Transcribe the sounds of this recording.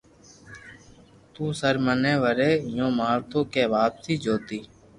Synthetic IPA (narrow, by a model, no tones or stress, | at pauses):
t̪ũːsəɾmənẽːʋəɾeːɪjõːmaːɾt̪õːkeːʋaːpsiːd͡ʒoːt̪iː